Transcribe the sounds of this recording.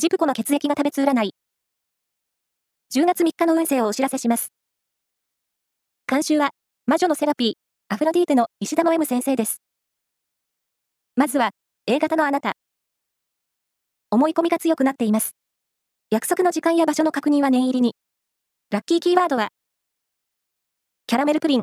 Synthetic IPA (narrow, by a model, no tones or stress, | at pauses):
d͡ʑipɯ̟̥ko̞no̞ke̞t͡sɨe̞kʲiɡat̪abe̞t͡sɨːɾanai | d͡ʑɨːɡat͡sɨmʲikːano̞ɯ̟̃ɰ̃se̞ːooɕiɾase̞ɕimasɨ̥ | kãɰ̃ɕɨːβa | maʑo̞no̞se̞ɾapʲiː | aɸɯ̟ɾad̪ʲiːt̪eno̞iɕid̪amoe̞mɯ̟sẽ̞ɰ̃se̞ːd̪e̞sɨ̥ | mazɨβa | e̞ːɡat̪ano̞anat̪a̰ | o̞mo̞iko̞mʲiɡat͡sɨjo̞kɯ̟nat̪ːe̞imasɨ̥ | jakɯ̟̥so̞kɯnod͡ʑikãɰ̃jabaɕo̞no̞kakɯ̟ɲ̟ĩβanẽ̞ɰ̃iɾʲiɲ̟i | ɾakʲːiːkʲiːβaːd̪o̞βa | kʲaɾame̞ɾɯ̟kɯ̟ɾʲĩŋ